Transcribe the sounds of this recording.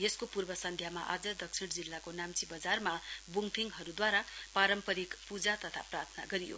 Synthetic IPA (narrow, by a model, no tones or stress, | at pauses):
jeskopurbʌsʌnd̪ʱjamaʔad͡zʌd̪ʌk̚sʰiɽd͡zilːakonamt͡sibʌd͡zarmabuŋt̪ʰiŋɡɦʌɾud̪waɾapaɾʌmpʌɾikpud͡zat̪ʌt̪ʰa̰prart̪ʰʌna̰ɡʌɾijo̰